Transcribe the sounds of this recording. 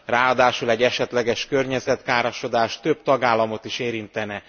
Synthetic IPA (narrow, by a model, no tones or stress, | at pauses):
raːɒd̪aːʃulɛɟːɛʃɛt̪lɛɡɛʃkø̞rɲɛzɛt̪kaːɾɒʃo̞d̪aːʃt̪øbt̪ɒɡaːlːɒmo̞t̪iʃeːɾint̪ɛnɛ